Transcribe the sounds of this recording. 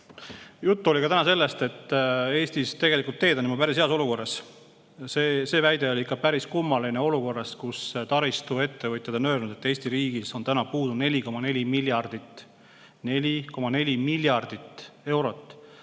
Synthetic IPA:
jut̪ːuo̞lʲikɑt̪ænɑse̞lːe̞st̪e̞t̪ːe̞ːst̪ist̪e̞ɡ̥e̞likˑult̪ːe̞ːd̪̥onimupæɾishe̞ɑso̞luko̞rːɑs | sese̞ːvæjd̪e̞o̞lʲiikːˑɑpæɾiskumːɑlineo̞luko̞rːɑskust̪ɑɾist̪ue̞t̪ːe̞vɨt̪ʲjɑd̪o̞nø̞ːlnud̪̥e̞t̪ːe̞ːst̪iɾiːɡ̥iso̞nt̪ænɑpuːd̪une̞lʲiko̞mɑne̞lʲimiljɑrd̪̥it̪ | nelʲiko̞mɑne̞lʲimiljɑrd̪̥it̪ːe̞wɾo̞t̪ːˑ

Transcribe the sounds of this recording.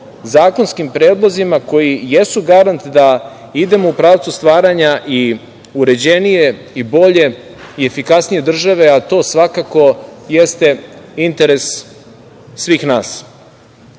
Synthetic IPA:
zaːko̞nskimpɾe̞ːd̪lˠo̞zimako̞jijesuɡaɾant̪d̪a | id̪e̞mo̞upɾaːʋt̪sust̪ʋaːɾaɲaʔi | uɾe̞d͡ʑenije̞ | ibo̞ʎe̞ | ie̞fikasnije̞d̪r̩ʒaʋe̞at̪o̞ːsʋakako̞jest̪e̞int̪e̞ɾe̞s | ʋiːxnaːs

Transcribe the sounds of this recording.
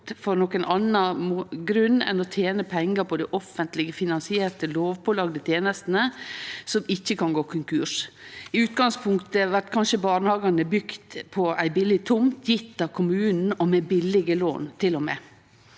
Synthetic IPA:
fɔɾnɔkənɑnɑmːɡɾʉnːɛ̰nɔt̪ʰjeːnəpʰɛŋːəɾpʰɔd̪ɛʔɔfənt̪lɪɡəfɪnɑnsɪeːɾʈ̪əloːʋpʰɔlɑːɡd̪ət̪ʰjeːnəst̪n̩əsɔmɪçːəkʰɑŋɡoːkʰʉŋkʰʉːʂɪʉːt̪ɡɑŋspʰʊŋkt̪əʋæɾʈ̪kʰɑnʂəbɑːnəhɑːɡɑnəbʏɡt̪pʰɔæɪbɪlɪt̪ʰʊmt̪ʰjɪt̪ːɑʋkʰʊmʉːnn̩ɔmɛbɪlɪɡəlo̰ːnt̪ʰɪlːɔmḛː

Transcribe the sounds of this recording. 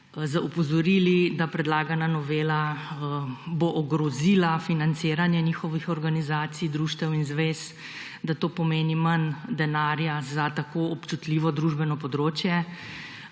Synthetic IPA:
zɐupɔzɔɾiːlid̪apɾɛd̪laːɡananɔʋeːla | boʔɔɡɾɔzilafinant̪seːɾanjɛnixɔʋixɔɾɡanizaːt̪sid̪ɾuːʃt̪ɛwinzʋeːs | d̪at̪oːpɔmeːnimənd̪ɛnaːɾjazat̪akoːɔpt͡ʃut̪liʋɔd̪ɾuːʒbɛnɔpɔd̪ɾoːt͡ʃjɛ

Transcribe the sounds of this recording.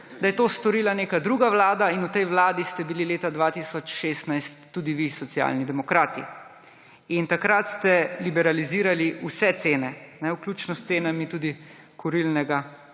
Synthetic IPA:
d̪ajɛt̪oːst̪ɔɾiːlaneːkad̪ɾuɡaʋlaːd̪ainut̪ɛjʋlaːd̪ist̪ɛbilileːt̪ad̪ʋaːt̪isɔt͡ʃʃeːst̪najstt̪ːuːd̪iʋisɔtsja̰lnid̪ɛmɔkɾaːt̪ḭ | int̪akɾat̪st̪ɛlibɛɾaliziːɾaliusɛt̪seːnɛnɛwklʲuːt͡ʃnɔst̪seːnamit̪uːd̪i | kʰuɾilnɛɡa

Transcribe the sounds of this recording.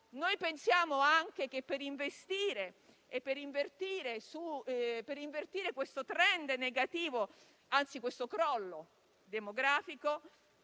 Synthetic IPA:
nojpensjaːmoaŋk̟ek̟epːeɾiɱvest̪iːɾe | epːeɾiɱvert̪iːɾesupeɾiɱvert̪iːɾekwest̪ot̪ɾɛnd̪neɡat̪iːvo | ant̪sikwest̪okɾɔlːo | d̪emoɡɾaːfiko

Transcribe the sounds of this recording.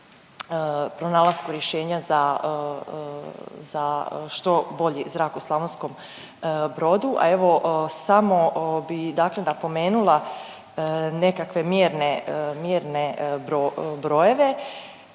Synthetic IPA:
əpɾonaːlˠaz̥kuɾjeʃe̞ːɲaza | zaʃt̪o̞bo̞ʎizɾaːkuslˠaʋonsko̞m | bɾo̞d̪uʔa̰e̞ʋo̞samo̞bid̪akle̞napo̞me̞ːnulˠa | ne̞kakʋe̞mjeːɾnemjeːɾne̞bɾobɾo̞je̞ʋe̞

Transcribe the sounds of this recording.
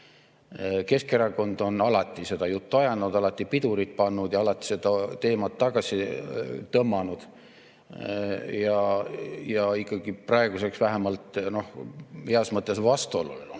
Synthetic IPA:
ke̞ske̞ɾɑko̞nd̪̥o̞nɑlɑt̪ˑːise̞d̪̥ɑjut̪ːuɑjɑnud̪̥ɑlɑt̪ːˑipid̪uɾit̪̚pɑnːud̪̥jɑɑlɑt̪ːˑi̥se̞d̪ɑt̪e̞ːmɑt̪ːɑɡ̥ɑsit̪ɤmːɑnud̪̥ | jɑ | jɑikˑːɑɡ̥iprɑe̞ɡ̥use̞ksvæɦæmɑlt̪no̞hheɑsmɤt̪ːˑesvɑst̪uolulelu

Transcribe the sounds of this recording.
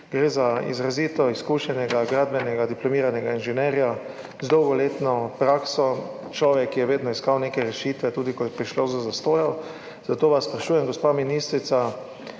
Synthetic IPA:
ɡɾeːzaḭzɾaziːt̪ɔiskuʃɛnɛɡaɡɾaːd̪̚bɛnɛɡad̪iplɔmiːɾanɛɡainʒɛnɛɾja | zd̪ɔwɡɔleːt̪nɔpɾaksɔ | t͡ʃlɔːʋɛkːijɛʋeːd̪nɔiskawneːkɛɾɛʃiːt̪ʋɛt̪uːd̪ikɔjɛpɾiʃlozazast̪oːjɔ | z̥at̪oːʋasspɾaʃuːjɛmɡɔspaːminist̪ɾit̪sa

